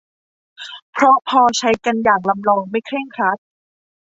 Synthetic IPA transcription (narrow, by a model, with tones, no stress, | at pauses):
pʰɾɔ˦˥pʰɔː˧t͡ɕʰa˦˥jka˧njaː˨˩ŋ̚la˧mlɔː˧ŋma˥˩jkʰɾeː˥˩ŋkʰɾa˦˥t̪̚